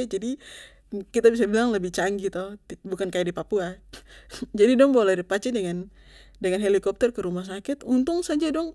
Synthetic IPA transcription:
d͡ʒadi | kit̪abis̬abilaŋləbɪht͡ʃaŋɡit̪ɔbukankajadipapua | d͡ʒadidɔŋbolɛɾipat͡ʃɛdɛŋan | dɛŋanɦelikɔp̚t̪ɛrkəɾumahs̬akɪt̪unt̪ʊŋsad͡ʒadɔŋ

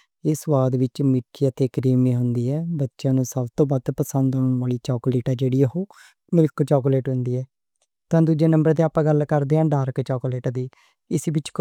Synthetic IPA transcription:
ɪsʋaːd̪ʋɪt͡ʃmɪkʰːiːət̪eːkɾiːmiːɦʊnd̪iːɛːbətːʃjãːnũːsəbt̪õːbaːd̪pəsənd̪ɦːɳʋaːliːt͡ʃɔːkoliːʈaːd͡ʒeːɽiːəɦoː | mɪlkt͡ʃɔːkoleːʈɦʊnd̪iːɛː | t̪ãːd̪ud͡ʒeːnəmbəɾd̪eːaːpãːɡəlkəɾd̪eːãːɖaːɾkt͡ʃɔːkoleːʈːd̪iː | ɪsbɪt͡ʃ

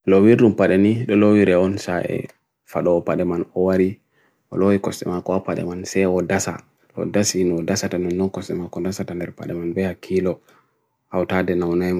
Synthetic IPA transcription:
lowiɾɗumpaɗɛniɗɔlowiɾɛɔnsaʔɛ̰ | faɗɔːpaɗɛmanɔwaɾi | ɔ̰lowikɔstɛ̰makɔapaɗɛ̰mansɛɔdasa̰ | ɔ̰dasinɔdasatanɛnːɔnkɔsɛmakɔdasatandɛɾpa̰ɗɛmanbɛhakʰːilɔ | awtadɛnawnajma

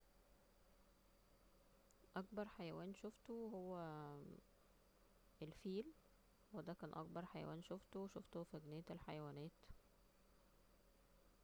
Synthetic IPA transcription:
ʔɑkbɑɾˤħajæwæːnʃoft̪oɦowːæ | ʔelfiːl | wed̪æːkæːnʔɑ̰k̚bɑɾˤħajæ̰wʔæ̰ːnʃoft̪oweʃoft̪ofæɡnejːæelħajæwæːnæːt̪

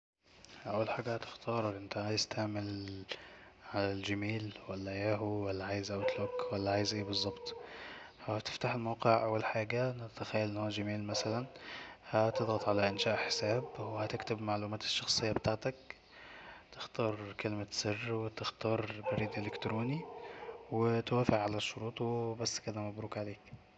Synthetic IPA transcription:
ʔawːalħaːɡæhæt̪ɪ̥xt̪ʰɑːɾˤɑkʔɪnt̪æʕaːjɪzt̪ʰaʕmɪl | ʕalæld͡ʒamiːlwælːæjæːɦuwælːæʕaːjɪzʔæwt̪lokwælːæʕaːjɪzʔeːbɨzˤːɑbt̪ˤfahæt̪ɪ̥ft̪aħɪlmawqɪʕʔawːalħaːɡænt̪axæjːælʔɪnːhoːæʒamiːlmæsalænhæt̪ɪd̪ˤɣɑt̪ˤʕalæʔɪnʃæːʔħɪ̥sæːbwhæt̪ɪkt̪ɪbmaʕluːmæːt̪ɪ̥ʃːɑxsˤejːɑbet̪aːʕt̪æk | t̪ɪxt̪ɑːɾˤkelmasɪrːwɪt̪ɪxt̪ɑːɾˤbæɾiːd̪ʔelɪkt̪ɾoːniwɪt̪wæːfɪʕʕalæʃːʊɾuːt̪ˤwebæsːkɪd̪æmæbɾuːkʕaleːk

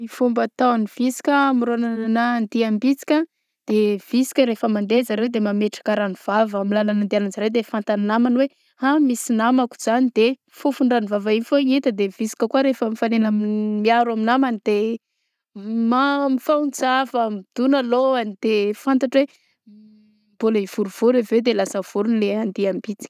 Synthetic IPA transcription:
ifumbət̪aanivisi̥kʲəamiɾonaanand̪iambit͡si̥kʲə | d̪̥ev̥isi̥kʲəɾefəmand̪ezaɾewd̪emameʈ͡ʂḁkaɾanuv̥avamilalanand̪eananzaɾewd̪efant̪annamanwe | hamisinamaku̥z̥anid̪̥e | fufuɳɖ͡ʐanivavainfoɲet̪əd̪evisi̥kəkuaɾefəmifanenammiaɾwaminamanid̪̥e | mamifaunt͡savamid̪̥unaloanid̪̥efant̪aʈ͡ʂwe | bolaiv̥uɾuv̥uɾeved̪elasəv̥uɾunileand̪iambit͡si̥kʲ

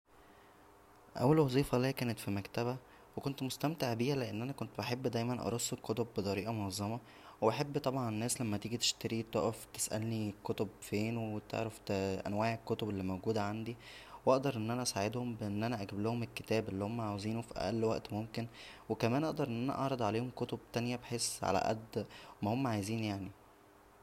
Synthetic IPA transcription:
ʔæ̰wːælwɑzˤiːfɑliækæːnet̪fimækt̪æbæ | wekont̪most̪æmt̪eʕbiːhæleʔenːʔænækont̪beħebːd̪æjmænʔɑ̰ɾˤosːekːot̪obːet̪ˤɑɾiːʔɑmonɑzˤːɑmɑ | webeħebːt̪ˤɑbʕɑnenːæːslæmːæt̪iːɡit̪e̥ʃt̪æɾit̪o̰ʔæft̪e̥sʔæ̰lnikːot̪obfeːnowwet̪ḛʕɾæft̪ʔæ̰nwaːʕekːot̪obelːiːmowɡuːd̪æʕand̪i | wʔɑʔd̪ɑɾˤʔenːʔænæʔæsaʕed̪hombeʔenːʔænæʔæɡæblohomelkːet̪æːbelːihomːæʕaweziːnufiʔæ̰ʔælːwæʔt̪momken | wekæmæːnʔɑʔd̪ɑɾˤʔenːʔænæ̰ʔɑʕɾˤɑd̪ˤʕaleːhomkot̪ob̚t̪ænjæbeħesːʕa̰læ̰ʔæ̰d̪mæhomːæʕajziːnjaʕni

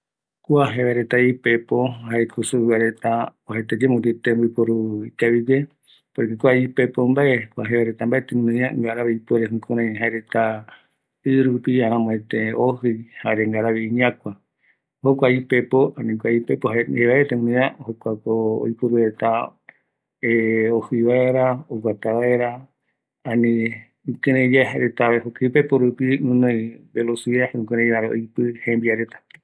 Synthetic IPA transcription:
kuaɦeβeɾet̪aipepoɦaekʰusuwaɾet̪aohet̪ed͡ʒemũd̪it̪embipoɾuit̪aβid͡ʒe | poɾekekʷaipepombaʔekʷaɦeβaɾet̪ambaʔet̪eũnɨ̃ɲãŋɡaɾaβeipueɾeɦũkũɾãɦaeɾet̪a | ɨɾupiãɾãmõet̪eoɦɨjhaeɾeŋɡaɾaβiiɲãkʷa | hokʷaipepoanĩkʷaipepoaheβaet̪ẽũnĩãohokʷakoo̰jpuɾuet̪a | eohɨjβaeɾaoɡat̪aβaeɾa | ãnĩ | kẽɾẽd͡ʒaeɦaɾet̪aβeɦokaipepoɾupiũnõjbelosiahũkẽɾ̃ẽjβaɾao̰jpɨhẽmbiaɾet̪ḁ

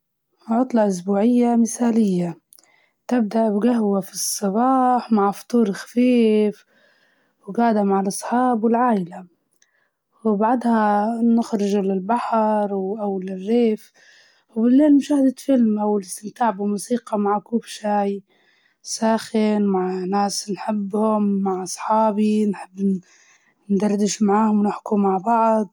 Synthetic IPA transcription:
ʕʊt̪ˤlɑʔʊs̬buːʕɪjːamɪθaːlɪjːa | t̪ɪb̚d̪aʔbɡaɦwafisˤːɑbɑːħmaʕft̪ˤuːɾlxḁfiːf | wɡaːʕd̪amaʕalʔɑsˤħɑːbwɪlʕaːʔɪla | wɪbaʕd̪hanʊxɾɪʒlɪlbaħɾˤwʔawlɪrːeːf | wbɪlːeːlmʊʃaːhd̪afɪlmawɪlɪst̪ɪmt̪aːʕbɪmuːsiːqɑmaʕkuːfʃaːj | saːxɪnmaʕnaːsnħɪbːhʊmːaʕʔɑsˤħɑːbinħɪbː | nd̪ɑrˤd̪ɪʃmaʕaːhʊmwnɪħkumaʕbɑʕd̪̚ˤ

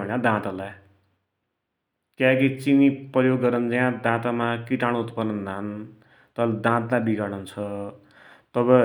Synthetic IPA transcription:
ʌnãd̪ãt̪alaj | k̪jãkit͡sinipʌjoɡːʌɾʌnd͡zajãd̪ãt̪amakiʈaɽ̃ot̪pʌɾnʌnd̪ʱan | t̪ʌld̪ãt̪lajbiɡaɽʌnt͡sʰʌ | t̪ʌbʌ

